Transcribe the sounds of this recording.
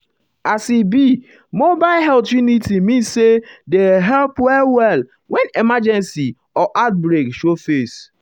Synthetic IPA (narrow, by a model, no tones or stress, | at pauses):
asibi | mobaɪlɦɛltjunitimĩnsedeɦɛlpwɛlwɛl | wɛ̃nemad͡ʒɛ̃nsi | ɔʔat̚bɾekʃofes